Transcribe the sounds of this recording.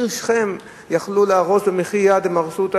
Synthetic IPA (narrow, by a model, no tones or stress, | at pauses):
ʃχem | jaχluleaʁosbemiχijad̪emaʁsut̪a